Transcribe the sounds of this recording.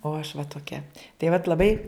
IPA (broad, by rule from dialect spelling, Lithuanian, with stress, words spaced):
oː ɐʃ ʋɐ toːˈkʲɛ tɐɪ ʋɐt lˠɐˈbɐɪ